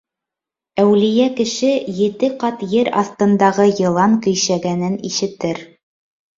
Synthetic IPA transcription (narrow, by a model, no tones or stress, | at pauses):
æwlɘ̆jækɘ̆ʃɘjɘ̆t̪ɘqɑt̪jɘɾɑ̰θt̪ɤ̆nd̪ɑʁɤjɤ̆lˠɑŋkɵ̆jʃæɡænɘniʃɘ̆t̪ɘɾ